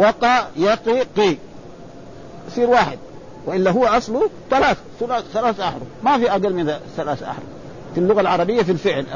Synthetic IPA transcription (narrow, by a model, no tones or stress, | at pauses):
wɑqɑjɑqiqi | sˤiːɾwaːħɪd̪̚ | waʔɪlːaɦuwːaʔɑsˤlut̪alaːθ | ʊlaθalaːsʔaħɾumafiʔaɡalmɪnt̪aθalaːsʔa̰ħɾṵ | filːʊɣalʕɑɾˤɑbijːafilfɪʕl